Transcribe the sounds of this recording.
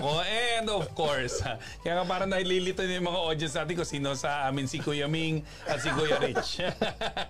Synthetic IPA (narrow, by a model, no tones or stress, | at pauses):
ʔoʔɛnd̪ɔfkoɹsa | kɐjaːŋap̬aːɾɐŋnɐhɪlilɪt̪onjʊjmɐŋaʔod̪jɐnsnaːt̪ɪnkosiːnosɐʔaːmɪnsikujɐmiŋ | ʔɐt̪̚sɪkojɐɾɪt͡ʃ